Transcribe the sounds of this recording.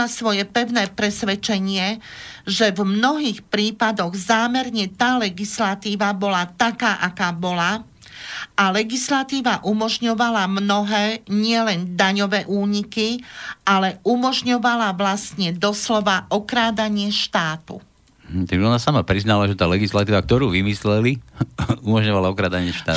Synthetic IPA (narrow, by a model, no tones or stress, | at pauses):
asʋɔjɛpɛʊnɛːpɾɛsʋɛt͡ʃɛɲɪɛʒɛvmnɔɦiːxpɾiːpad̪ɔɣzaːmɛɾɲɛt̪aːlɛɡislat̪iːʋabɔlat̪akaːʔakaːbɔla | alɛɡislat̪iːʋaʔumɔʒɲɔʋalamnɔɦɛːɲɪɛlɛnd̪aɲɔʋɛːʔuːɲikialɛumɔʒɲɔʋalaʋlast̪ɲɛd̪ɔslɔʋaʔɔkɾaːd̪aɲɪɛʃt̪aːt̪ṵ | t̪aɡʒɛɔnasamapɾiznalaʒɛt̪aːlɛɡislat̪iːʋak̚t̪ɔɾuːʋimislɛli | umɔʒɲɔʋalaɔkɾaːd̪aɲɪɛʃt̪a̰ː